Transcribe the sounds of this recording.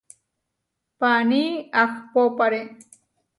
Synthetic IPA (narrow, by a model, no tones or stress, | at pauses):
paːniakʰpopʌɾe